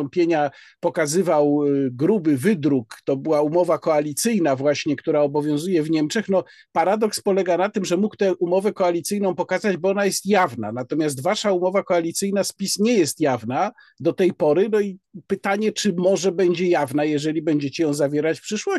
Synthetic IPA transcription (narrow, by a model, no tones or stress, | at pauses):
ɔmpʲjeɲapɔkazɘvawɡɾubɘvɘd̪ɾukt̪ɔbɘwaumɔvakɔalʲit̪sɘjnavwaɕɲɛkt̪uɾaɔbɔvʲjɔ̃w̃zujɛvɲɛmt͡ʂɛxnɔ | paɾad̪ɔkspɔlɛɡanat̪ɘmʐɛmukt̪ɛʔumɔvɛkɔalʲit̪sɘjnɔ̃w̃pɔkazad͡ʑbɔɔnajɛst̪javna̰nat̪ɔmʲjas̬t̪vaʂaumɔvakɔalʲit̪sɘjnaspʲisɲɛjɛst̪javna | d̪ɔt̪ɛjpɔɾɘnɔipɘt̪aɲɛt͡ʂɘmɔʐɛbɛɲd͡ʑɛjavnajɛʐɛlʲibɛɲd͡ʑet͡ɕɛjɔ̃w̃zavʲjɛɾat͡ɕfpʂɘʂwɔ